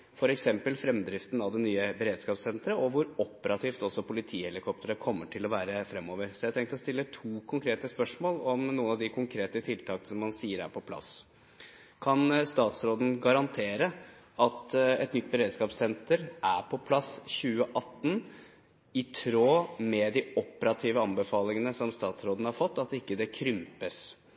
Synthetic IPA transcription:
fɔɾɛksɛmpəlfɾɛmd̪ɾɪft̪n̩ɑʋd̪ɛnyːəbəɾeːd̪skɑːpsɛnt̪ɾəʔɔʋʊɾɔpəɾɑt̪ʰiːft̪ɔsɔpʰʊlɪt̪ʰiːhɛlɪkʰɔp̚t̪əɾəkʰɔmːəʈʰɪlɔʋæːɾəfɾɛmːoːʋəɾsɔjɛæɪt̪ʰɛŋkt̪ɔst̪ɪlːət̪ʰuːkʰʊŋkʰɾeːt̪əspœʂmoːlɔmnuːənɑʋd̪ɪkʰʊŋkʰɾeːt̪ət̪ʰɪlt̪ʰɑːkənsɔmːɑnsiːəɾæ̰ɾpʰɔpʰlɑ̰s | kʰɑnst̪ɑːt̪sɾoːd̪n̩ɡɑɾɑnt̪ʰeːɾəɑt̪ɛt̪nʏt̪̚ːbəɾeːd̪skɑːpsɛnt̪əɾʔæpʰɔpʰlɑsçʉːəʔɑt̪ːn | ɪt̪ʰɾoːmɛd̪ɪɔpəɾɑt̪ʰiːʋəɑnbəfɑːlɪŋənəsɔmst̪ɑːt̪sɾoːd̪n̩hɑɾfɔt̪ːɑt̪ɪkːəd̪ɛkʰɾʏmpəs

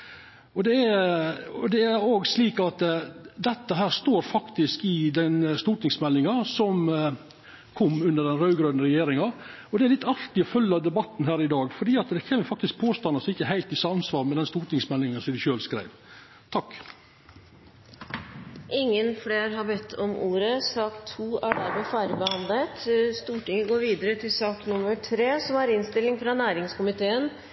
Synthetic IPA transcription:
ɔd̪ɛæ | ɔd̪ɛæɾoːɡsliːkɑt̪d̪ɛt̪ːəɦæːɾst̪oːɾfɑkt̪ɪskɪd̪ɛnst̪uːʈ̪nɪŋsmɛlːɪŋɑsɔm | kʰɔmːʉnd̪əɖ̪ɛnɾɑʉɡɾøːd̪nəɾɛjeːɾɪŋɑ | ɔd̪ɛæɾlɪt̪ːɑɾt̪ɪɔfœlːəɑd̪ɛbɑt̪ːnɦæːɾɪd̪ɑːɡfɔɖiːɑt̪d̪ɛçeːməɾfɑkt̪ɪsk̚pʰoːst̪ɑnɑsɔɪçːəɦæɪlt̪ɪsɑɑnsʋɑːɾmɛd̪ɛnst̪uːʈnɪŋsmɛlːɪŋɑnsɔmd̪ɪʃøːlskɾæ̰ɪʋ | t̪ʰɑkː | ʔɪŋːənfleːɾɦɑbɛt̪ʰːɔmuːɾəsɑkt̪ʰːuːʔæɖæɾmeːfæːɾəbəhɑnd̪lət̪st̪uːʈɪŋəɡoːɾʋiːd̪əɾət̪ʰɪlsɑːknʊmːəʈʰɾeːsɔmæɾɪnst̪ɪlːɪŋfɾɑnæːɾɪŋskʊmɪt̪ʰeːən

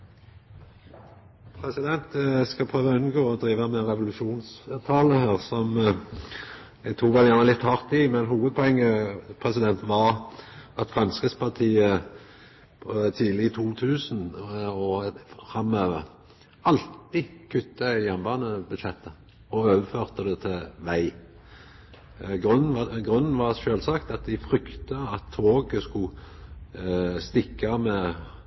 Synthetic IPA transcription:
pʰɾɛsɪd̪ɛnt̪skɑpʰʁøːʋɑʉnɡoːɔd̪ɾiːʋəmɛɾɛʋʊlʉʃuːnst̪ʰɑːləhæːʁsɔm | d̪ɛt̪ʰuːkʋɛljæʁnəlɪt̪ːhɑʁt̪ɪmɛnɦuːʋəd̪̚pʰɔɛŋːəpʰʁɛsɪd̪ɛnt̪ʋɑɾɑt̪fʁɑnskəspɑʁt̪ʰiːə | pʰɔt̪ʰiːlɪɪt̪ʰuːt̪ʰʉːsnɔfɾɑmøːʋəʁ | ɑlt̪ɪkʰʉt̪ːəjænbɑːnəbʉd̪ʃɛt̪ːə | ɔøːʋəføːʁt̪əd̪ɛt̪ʰɛʋæɪ | ɡʁʉnn̩ɑɡʁʉnn̩ʋɑʁʃøːlsɑkt̪ɑt̪̚d̪æɪfʁʏkt̪əɑt̪ʰːoːɡskʊ | st̪ɪkːɑmɛ

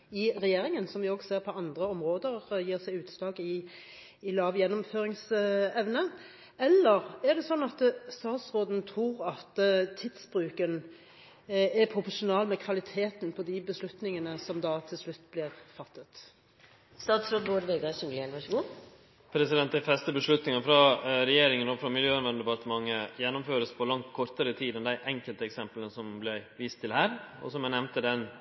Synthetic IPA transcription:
ɪʁɛjeːɾɪŋənsɔmʋɪoːɡseːʁpʰɔɑnd̪ʁəɔmʁoːd̪əʁjiːʁsæɪʉːt̪slɑːkɪ | ɪlɑːʋjɛnːɔmføːʁɪŋsɛʋnə | ɛlːəʁæd̪ɛsɔnːɑt̪st̪ɑːt̪sʁoːd̪nt̪ʰʁuːʁɑt̪t̪ʰɪd̪sbʁʉːkən | ɛpʰʁʊpɔʂʊnɑːlmɛkʰʋɑlɪt̪ʰeːt̪npʰɔd̪ɪbəslʉt̪nɪŋənəsɔmd̪ɑːt̪ʰɪlslʉt̪ːblɪɾfɑt̪ːət̪ | st̪ɑːt̪sɾod̪boːɖʋeɡɑʃʊŋlæɳʋɑʂəɡuː | pʰɾɛsɪd̪ɛnt̪æfɛst̪əbəʂlʉt̪nɪŋɑfɾɑɾɛjeːɾɪŋənɔfɾɑmɪljøːɑnʋɛnəd̪ɛpɑɾt̪əmɑŋːəjɛnːɔmføːɾəspʰɔlɑŋt̪kʰɔɾt̪əɾət̪ʰiːd̪ɛnd̪æɪʔɛŋkəlt̪əɛksɛmpələnəsɔmblɛʋiːst̪ʰːɪlhæːɾɔ̰sɔmɛnɛʋnt̪əd̪ɛn

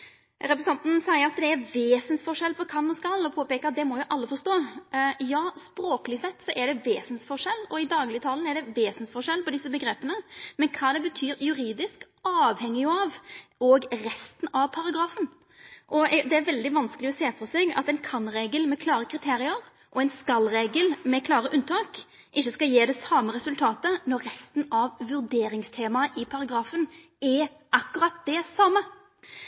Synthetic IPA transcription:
ɾɛpɾɛsɛnt̪n̩sæɪəɾɑt̪d̪ɛæɾʋeːsənsfɔʂɛlpʰɔkʰɑnːɔskɑlːɔpʰoːpɛːkəɑt̪̚d̪ɛmɔjʊʔɑlːəfɔʂt̪oːjɑːspɾoːklɪsɛt̪ːsɔʔɛɖɛʋeːsnsfɔʂɛlːɔɪd̪ɑːɡlɪt̪ʰɑln̩æɖɛʋeːsnsfɔʂɛlːpɔd̪ɪsːəbəɡɾeːpːənəmɛnkʰɑːd̪ɛbət̪ʰyːɾjʉɾiːd̪ɪsk | ɑːʋhɛŋːɪɑʋɔɡɾɛst̪nɑʋpʰɑɾɑɡɾɑːfən | ʔɔd̪ɛæɾʋɛld̪ɪʋɑnskəlɪɔseːfɔsɛɡɑ̰t̪ɛɪnkʰɑnɾeːɡəlmɛkʰlɑːɾəkʰɾɪt̪ʰeːɾɪəɾ | ʔɔɛɪnskɑlːɾeːɡəlmɛkʰlɑːɾəʔʉnt̪ʰɑːk | ʔɪçːəskɑljeːd̪ɛsɑːməɾɛsʉlt̪ʰɑːt̪ənɔɾːɛst̪n̩ɑʋʋʉɾd̪eːɾɪŋst̪ʰeːmɑʔɪpʰɑɾɑɡɾɑːfən | ɛ | ʔɑkːʉɾɑt̪̚d̪̥ɛsɑmə

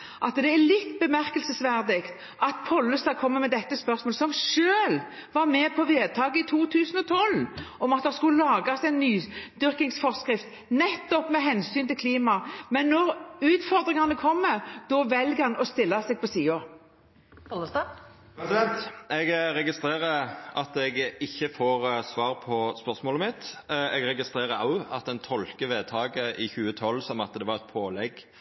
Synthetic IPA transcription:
ʔɑt̪d̪ɛælɪt̪ːbəmæɾkəlsəsʋæɾd̪ɪkt̪ | ʔɑt̪pʰɔlːəst̪ɑːkʰɔmːəmɛd̪ɛt̪ːəspœɾsmoːləsɔmʃøːl | ʋɑɾmɛpʰɔʋeːd̪̚t̪ʰɑːɡəɪt̪ʰuːt̪ʰʉːsnɔt̪ʰɔlɔmɑt̪̚d̪ɑskʉəlɑːɡɑsɛɪnːyːd̪ʏɾkɪŋsfɔʁskɾɪft̪ | nɛt̪ːɔpmɛɦɛnsyːnt̪ɪlkʰliːmɑmɛnːɔɾʉːt̪fɔɾd̪ʁɪŋɑnəkʰɔmːəɾd̪ɔʋɛlɡəhɑnɔst̪ɪlːɑsɛɡ̚pʰɔsiːɔ | ɔs | pɛsɛnt̪ɛɡɾɛɡɪst̪ɾeːʁəʔɑt̪ɛɡɪçːəfoːʁsʋɑːɾpʰɔspœʁsmoːləmɪt̪ɛɡɾɛɡɪst̪ɾeːɾəɑʊɑt̪ɛnt̪ʰɔlkəʋeːt̪ʰɑːɡəʔɪçʉːət̪ʰɔlːsɔmɑt̪̚d̪ɛʋɑɾɛt̪̚pʰoːlɛɡ

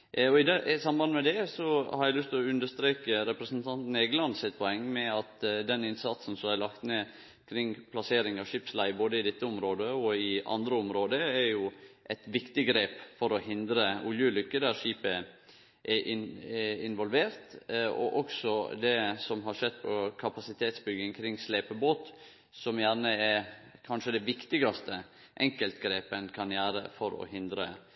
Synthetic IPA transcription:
ɔɪd̪ɛsɑmbɑnmɛd̪ɛsɔhɑɾæɪlʏst̪ʰɪlɔʉnd̪əʂt̪ɾeːkəɾɛpɾəsnt̪ʰɑnt̪n̩eːɡənlɑnsɪt̪̚pʰɔɛŋːmɛɑt̪d̪ɛnɪnsɑt̪sn̩sɔmæɪlɑkt̪ne | kʰɾɪŋːpʰlɑseːɾɪŋɑʋʂiːpslæɪboːd̪əɪd̪ɛt̪ːəɔmɾoːd̪əɔɪɑ̰nd̪ɾəʊmɾoːd̪əæɾjʊʔɛɪt̪ʋɪkt̪ɪɡɾeːpfɔɾɔhɪnd̪ɾəʊljʉlʏkːəd̪æɾʂiːpə | ʔɛʔɪnɪnʋɔlʋeːɾt̪ɔ̰ʔɔksɔd̪ɛsɔmɦɑɾʂɛd̪̚pʰɔkʰɑpɑsɪt̪ʰeːt̪sbʏɡəŋkʰɾɪŋsleːpəboːt̪ | sɔmjæːɾɳəɛɾkʰɑnʂəd̪ɛʋɪkt̪ɪɡɑst̪ə | ʔɛŋkəlt̪ɡɾeːpənkʰɑnjæːɾə̰fɔɾɔ̰hɪnd̪ɾə

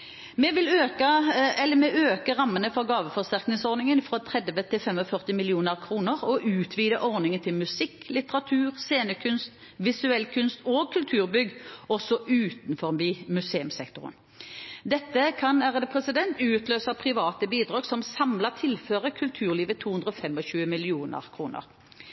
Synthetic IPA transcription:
mɛʋɪløːkəɛlːəmɛøːkəʁɑmːənəfɔʁɡɑːʋəfɔʁsɪʁknɪŋsɔʁnɪŋənfʁɑt̪ʰʁɛd̪ʋət̪ʰɪlfɛmɔfœʁt̪ɪmɪlɪuːnəʁkʰʁuːnəʁɔʔʉːt̪ʰʋiːd̪əʔɔʁnɪŋənt̪ʰɪlmʉsɪkːlɪt̪əʁɑt̪ʰʉːʁseːnəkʰʉnst̪ | ʋɪsʉɛlkʰʉnst̪oːɡ̚kʰʉlt̪ʰʉːʁbʏɡːɔsɔʔʉːt̪nfɔʁbimʉseːʉmsɛkt̪ʊʁə̰m | d̪ɛt̪ːəkʰɑnæʁəd̪əpʰʁɛsɪd̪ɛnt̪ʉːt̪løːsɑpʰʁɪʋɑːt̪əbiːd̪ʁɑːɡsɔmsɑmlɑt̪ʰɪlføːʁəkʰʉlt̪ʰʉːʁliːʋət̪ʰːuːhʉnd̪ʁɾɔfɛmɔɕʉːəmɪlɪuːnə̰ʁkʰʁuːnə̰ʁ

